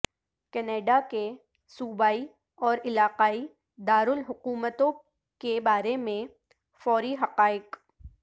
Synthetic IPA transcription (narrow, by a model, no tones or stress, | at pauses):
kɛneːɖake | suːbaːi | ɔːɾɪlaːqaːi | d̪aːɾʊlɦʊquːmət̪õ | kebaːɾemẽ | fɔːɾiɦɐqaːɪq